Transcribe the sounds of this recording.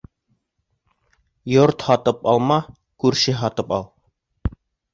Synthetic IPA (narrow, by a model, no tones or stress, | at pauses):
joɾt̪hɒt̪ɤpɑlˠmɑ | kʉɾʃɘɦɒt̪ɤpɑlˠ